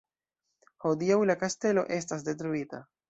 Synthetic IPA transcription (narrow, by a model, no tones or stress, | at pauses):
ho̞diawlakaste̞lo̞̰ʔe̞stas̬de̞t̬ɾuita̰